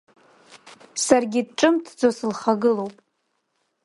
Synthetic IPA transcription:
sarɡʲɪd̚ʈ͡ʂʼɨmtʰd͡zosɨlχaɡɨlowpʼ

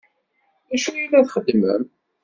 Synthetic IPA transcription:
æʃujilæθχəd̪ːmə̰m

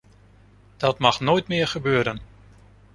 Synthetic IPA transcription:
d̥ɔtmɑχnoːjtmɪːɹχəbøːɾən

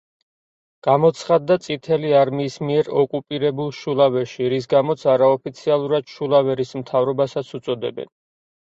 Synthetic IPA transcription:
ɡ̥amɔt̪sʰχad̪ːat̪sʼit̪ʰɛliaɾmiːsmiɛɾɔkʼupʼiɾɛbulˠʃulˠavɛʃiɾis̬ɡamɔt̪sʰaɾaɔpit̪sʰialˠuɾad̪̥ʃulˠavɛɾism̩t̪ʰavɾɔbasat̪sʰut̪sʼɔd̪ɛ̰bɛ̰n

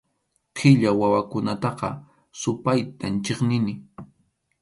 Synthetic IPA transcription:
qʰɪʎawawakʊnat̪ɑqɑ̰ | sʊpajt̪ant͡ʃeχnɪnɪ

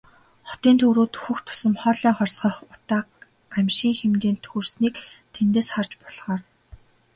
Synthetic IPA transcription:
χɔ̥t̪iːnt̪ʰɵwɾuːt̪ɵxɵ̆xt̪ʰʊ̥sɘ̆mχɔːɮæːχɔrʲsχɞ̆χʊt̪aː | æmʲʃiːŋxemt̪iːnt̪ʰxɵrsniːkt̪ʰent̪eːsχart͡ɕpɔɮʁ̥aːr

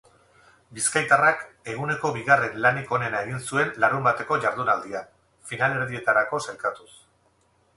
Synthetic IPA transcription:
biskajt̪arak | e̞ɣune̞ko̞βiɣare̞nlaniko̞ne̞nae̞ɣinsue̞nlaɾumbat̪e̞ko̞ʝaɾðunald̪ia | finale̞ɾðie̞t̪aɾako̞sajkat̪us

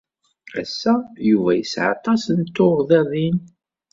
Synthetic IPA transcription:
æsːæjuvæjəsʕɑ̰t̪ˤːɑsənt̪ːoʁðæðin

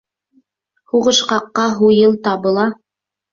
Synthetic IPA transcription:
huʁɤ̆ʃqɑqːɑɦujɤlˠt̪ɑbɤ̆lˠɑ

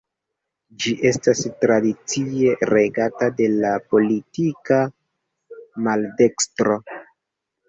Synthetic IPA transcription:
d͡ʒiʔe̞stastɾadit͡sie̞ɾe̞ɡatade̞lapo̞litika | malde̞kstɾo̞

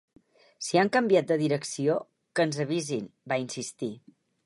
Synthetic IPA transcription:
siaŋkəmbiat̪̚d̪əðiɾəksio | kənzəβ̞izinbainsist̪i

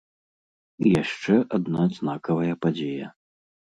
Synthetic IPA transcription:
ijaʂt͡ʂɛʔad̪nad̪znakɐvɐjɐpad͡zʲejɐ

